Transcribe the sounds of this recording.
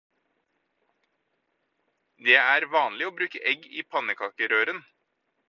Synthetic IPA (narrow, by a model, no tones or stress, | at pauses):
d̪eːæːɾʋɑːnlɪoːbɾʉːkəʔɛɡiːpʰɑnəkʰɑːkəɾøːɾən